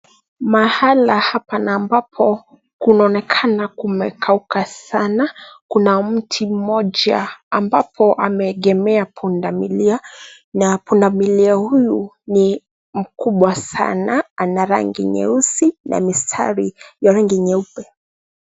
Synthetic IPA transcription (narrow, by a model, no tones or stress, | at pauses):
mahalahapanaːmbapʰɔ | kunaɔnɛkʰanakumɛkʰaukʰasanakunam̩tʰim̩mɔʄaːmbapʰɔʔamɛːɠɛmɛapʰundamilia | napundamiliahuju | ni | m̩kuɓwasa̰naanaɾa̰ŋɡḭɲɛ̰usina̰mistʰa̰ɾijaɾaŋɡiɲɛupɛ